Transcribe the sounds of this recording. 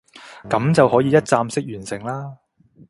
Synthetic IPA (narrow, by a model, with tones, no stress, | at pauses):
kɐ˨˥mt͡sɐ˨whɔː˨˥jiː˨˧jɐ˥t̚t͡saː˧msɪ˥k̚jyː˨˩nsɪ˨˩ŋlaː˥